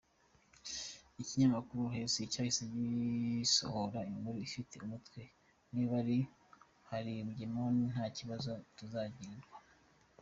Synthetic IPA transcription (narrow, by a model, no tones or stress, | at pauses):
iciɲamakuɾuɦe̞seicahiseɟiso̰hoɾaiŋɡuɾuifite̞umutwe̞ | niβaɾi | haɾiβuɟemonin̥haːciβazo̞tuzaːɟiɾiɾɡwa